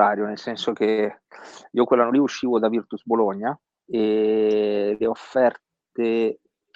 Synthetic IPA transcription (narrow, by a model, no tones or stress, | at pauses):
aːɾjonelsɛnsok̟e | iːokwelːanːoliuʃːiːvod̪avirt̪usboloɲːa | e | leofːɛrt̪ | e